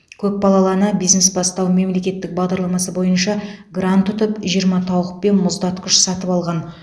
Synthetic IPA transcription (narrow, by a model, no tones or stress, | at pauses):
kʲʰɵp̚bɑlˠɑlˠɑnəbijzne̞sbɑst̪ɑwme̞mle̞kʲe̞t̪ːɪk̚bɑʁd̪ɑɾlˠɑmɑsəbo̞jənʃɑɡrant̪ːʊt̪əpʒijəɾmɑt̪ʰɑwʁəqpe̞nmʊzd̪ɑt̪kʰʲʏʃsɑt̪əpɑlˠʁɑn